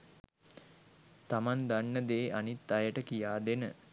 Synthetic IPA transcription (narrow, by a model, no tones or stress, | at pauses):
t̪amand̪anːəd̪eːʔanit̪ːajəʈəkijaːd̪enə